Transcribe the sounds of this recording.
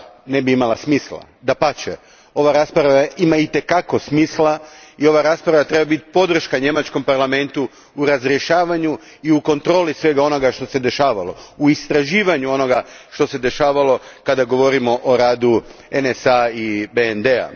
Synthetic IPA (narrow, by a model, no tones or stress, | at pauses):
ne̞biimalasmiːslˠa̰ | d̪apat͡ɕḛ | o̞ʋaɾaːspɾaaaimait̪e̞kako̞smiːslaio̞ʋaɾaːspɾaʋat̪ɾe̞babit̪po̞d̪ɾr̩ʃkaɲe̞mat͡ʃko̞mpaɾlˠame̞nt̪u | uɾazɾje̞ʃaːʋaɲu | iuko̞nt̪ɾo̞ːlisʋe̞ɡao̞no̞ɡaʃt̪o̞se̞d̪e̞ʃaːʋalo̞̰uist̪ɾaʒiːʋaɲuo̞no̞ɡaʃt̪o̞se̞d̪e̞ʃaːʋalo̞kad̪aɡo̞ʋo̞ɾimo̞ʔoɾaːd̪uenesaibeend̪ea̰